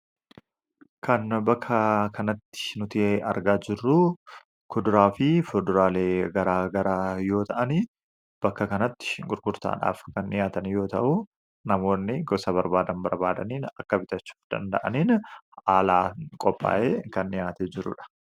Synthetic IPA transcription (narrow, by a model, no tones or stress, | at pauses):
kɐnbɐkʰːɐkʰɐnɐt̪ːɪ̥nʊt̪iɐɾɡaːd͡ʒɪrːu | kʊd̪ʊɾaːfɪfɔd̪ʊɾaːleːɡɐɾaːɡɐɾaːjo̞ːt̪ɐʔɐni | b̥ɐkːɐkɐnɐt̪ːɪ̥ʃɪɡʼʊɾɡʊɾt̪a̰ːᶑa̰ːfkɐnːɪjaːt̪ɐnjo̞ːt̪ɐ̰ʔʊ | nɐmo̞ːnːɪɡɔsɐbɐɾbaːd̪ɐnbɐɾbaːd̪ɐ̰niːnɐkːɐbɪt̪ɐt͡ʃːu̥ːfd̪̥ɐ̰nd̪ɐ̰ʔɐniːn | aːlaːkʼɔpʼːa̰ːʔeːkɐnːɪjaːt̪eːd͡ʒɪɾʊ̰ᶑɐ̥